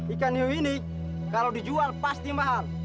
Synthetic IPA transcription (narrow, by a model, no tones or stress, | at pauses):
ikaniɦuini | kalodid͡ʒualpast̪imaɦar